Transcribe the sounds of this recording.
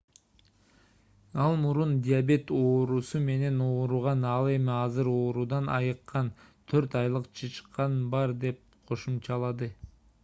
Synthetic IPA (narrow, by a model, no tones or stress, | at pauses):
ɑlˠmuɾund̪ʲiabe̞t̪o̞ːɾusume̞ne̞no̞ːɾuʁɑnɑlˠe̞miɑzɯɾo̞ːɾud̪ɑnɑ̰jɯqːɑnt̪ʰøɾt̪ɑjlˠɯqt͡ʃʰɯt͡ʃqːɑnbɑɾd̪e̞p̚ | qʰo̞ʃumt͡ʃɑlˠɑd̪ɯ